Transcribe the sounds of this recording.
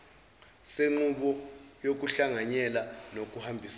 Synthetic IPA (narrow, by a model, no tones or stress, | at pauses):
seŋ͡ǃuɓɔjok̬uɬaŋaɲɛlanok̬uhambʱis